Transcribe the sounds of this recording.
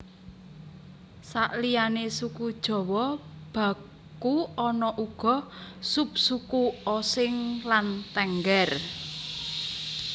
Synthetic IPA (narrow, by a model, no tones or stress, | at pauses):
sa̰ʔlijanesukud̥ʒ̥ɔ̤wɔb̥ä̤ | kuɔnɔʔuɡ̥ɔ̤sup̚sukuɔsɪŋlant̪ɛŋɡɛr